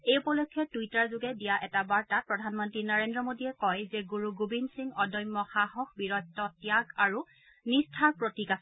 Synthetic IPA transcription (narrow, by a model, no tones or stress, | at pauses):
ejupɔlɔkʰːɛtujtaɹzʊɡɛdijaʔɛtabaɹtat̚pɹɔdʱanmɔntɹinaɹendɹɔmodiɛkɔjzɛɡuɹuɡubinsiŋɔdɔjmːɔxaɦɔxbiɹɔtːɔtjaɡaɹu | nistʰaɹpɹotikas